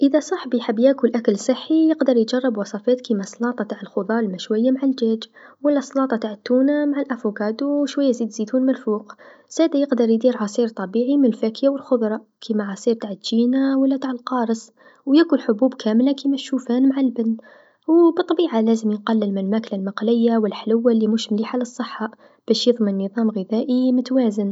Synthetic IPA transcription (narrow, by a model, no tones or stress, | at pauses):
ʔəðasˤɑħbiħabːjaːkulʔakəlsˤɨħːijəɡd̪ɑɾˤjd͡ʒɑrˤːɑbwɑsˤɑfæːt̪kimasˤlɑːt̪ˤɑt̪aʕəlxʊðˤɑlmaʃwajːamaʕald͡ʒæːd͡ʒwalːæsˤlɑːt̪ˤɑt̪aʕət̪ːuːnamaʕalʔafukɑːd̪uʃwajːaziːd̪zid̪uːnmɪlfuːqz̥æːd̪ajɪqd̪ɑɾˤjd̪iːɾʕɑsˤiːɾt̪ˤɑbiːʕimɪnlfakjawəlxʊðˤɾˤɑ | kʰimaʕɑsˤiːɾt̪aʕət̪d͡ʒiːnawalːæt̪aːʕəlqɑːɾˤɨs | wjakʊlħʊbuːbkʰæːmlakimaʃuːfaːnmaʕalbɪnː | wbɨt̪ˤːɑbiːʕalæːzəmjənqɑlːɪlmɪlmaːklalmɑqlɪjːawɪlħlʊwːalːimuʃmliːħalɨsˤːəħːɑ | b̥æːʃjɨðˤmənːɨðˤɑːmɣɪðæːʔimʊt̪waːzən